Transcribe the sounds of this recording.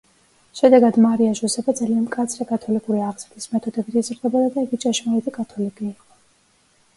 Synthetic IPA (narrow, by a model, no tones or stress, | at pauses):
ʃɛd̪ɛɡad̪maɾiaʒusɛbad̪zalianmkʼat̪sʰɾɛkʼat̪ʰɔlikʼuɾiaʁz̥ɾt̪ʰismɛt̪ʰɔd̪ɛbit̪ʰɛzɾd̪ɛbad̪ad̪aiɡit͡ʃʼaʃmaɛt̪ʰikʼat̪ʰɔlikʼiːqʼɔ